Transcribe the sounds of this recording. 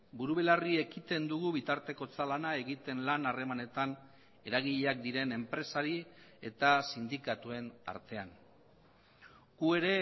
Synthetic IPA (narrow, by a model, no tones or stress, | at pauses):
buɾuβelarie̞kit̪e̞nd̪uɣuβit̪aɾt̪e̞ko̞t͡salanae̞ɣit̪e̞nlanare̞mane̞t̪an | e̞ɾaɣ̞iʎeak̚d̪iɾe̞ne̞mpɾe̞saɾie̞t̪asind̪ikat̪ue̞na̰ɾt̪e̞an | ɡ̥ue̞ɾe̞